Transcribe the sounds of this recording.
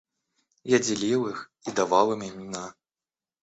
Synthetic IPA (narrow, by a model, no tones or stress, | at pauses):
jad͡zʲilʲiwixid̪avalˠɨmʲimʲina